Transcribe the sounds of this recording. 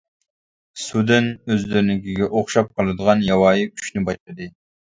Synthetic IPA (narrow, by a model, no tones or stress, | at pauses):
sud̪ɪnøzlɪɾnɪkʲiɡʲɛʔoχʃɑp̚qʰɑlˠɨd̪əʁɑnjɑwɑːjikʰy̥ʃnɪbɑʃlˠɨd̪ɨ